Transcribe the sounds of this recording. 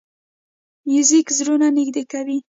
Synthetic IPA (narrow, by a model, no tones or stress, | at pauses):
jizikzɾunanɪɡd̪ekawi